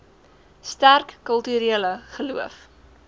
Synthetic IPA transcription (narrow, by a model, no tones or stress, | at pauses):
stærkːəlˠtyɾiələχəluəf